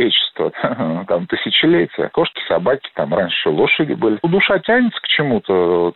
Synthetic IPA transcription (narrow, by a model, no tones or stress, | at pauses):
et͡ɕɪ̥st̪vət̪amt̪ɨsʲɪt͡ɕɪlʲetʲɪjə̰ko̞ʂkʲɪ̥sabakʲɪ̥t̪amranʲʂolˠoʂədʲɪ̰bɨlʲɪd̪ʊʂatʲænʲɪt̪sə̥kt͡ɕɪmut̪ə